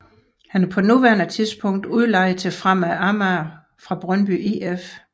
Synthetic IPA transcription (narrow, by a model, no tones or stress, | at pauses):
hænæɐpʰɒ̽nuʋæɐnət͡sʰiðˠsb̥ʰɔ̽ŋ̰d̥uð̞ˠlɑ̈ɪ̰ð̩ˠt͡sʰe̝fʁam̰æɑmæ | fʁɑ̈b̥ʁɶnb̥ye̝ef